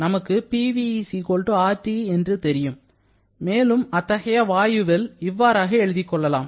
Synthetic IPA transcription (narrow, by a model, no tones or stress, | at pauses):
nɐmɐkːɯpiːʋisikoɭʈɯaːʈːiɛndrɯt̪ɛɾɪjɯmː | eːlɯmɐt̪ːɐɣɐjɐʋaːjɯʋɪlɪʋːaːɾaːɣɐɛɻɯðɪkːɔɭːɐla̰ːm